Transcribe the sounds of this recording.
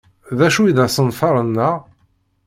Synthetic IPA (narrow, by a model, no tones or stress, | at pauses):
ðæʃuiðæsˤənfɑɾˤənːəʁ